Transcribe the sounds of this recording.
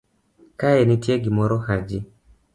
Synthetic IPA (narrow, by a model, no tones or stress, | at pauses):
kaenɪtjeɡɪmɔɾɔhad͡ʒɪ